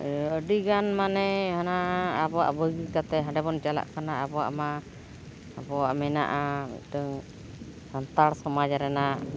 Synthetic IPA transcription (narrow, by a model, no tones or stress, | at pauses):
əɖiɡanmanɛhanaabɔwa̰ʔbəɡikat̪ɛɦãɖɛbɔnd͡ʒala̰ʔkanaabɔwa̰ʔmaː | bɔwaʔmɛna̰ʔamḭˀʈəŋ | hant̪aɽsɔmad͡ʒaɾɛna